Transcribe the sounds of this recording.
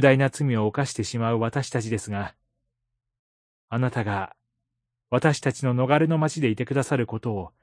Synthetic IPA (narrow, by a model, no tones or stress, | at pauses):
d̪ainat͡sɨmʲio̞ːkaɕi̥t̪e̞ɕimaɯ̟βat̪aɕi̥t̪at͡ɕid̪e̞sɨɡa | anat̪aɡa | β̞at̪aɕi̥t̪at͡ɕino̞no̞ɡaɾe̞no̞mat͡ɕid̪e̞it̪e̞kɯ̟d̪asaɾɯ̟ko̞t̪o̞ː